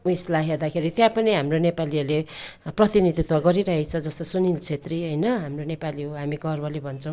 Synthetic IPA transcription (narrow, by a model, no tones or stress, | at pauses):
uislaɦjed̪akʰeɾit̪jãpʌniɦamronepaliʌleprʌt̪inid̪ʱit̪ʰwaɡʌɾiɾʌɦet͡sʰʌd͡zʌst̪osunilt͡sʰet̪riɦʌjnʌɦamronepaliɦoɦamiɡʌrbʌlebʱʌnt͡sʰʌ̃w̃